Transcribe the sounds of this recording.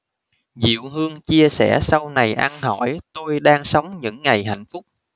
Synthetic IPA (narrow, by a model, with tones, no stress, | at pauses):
zḭ˧˨wɦɨ˧əŋt͡ɕi˧əsɛ̰˧˩sa˧wna˨˩jʔa˧nɦɔ˧˩jt̪o˧jɗaː˧ŋsə˨˦wŋ͡mɲɨ̰˧˥ŋːa˨˩jɦa̰˧˨jŋ̟fʊ˦˥k͡p̚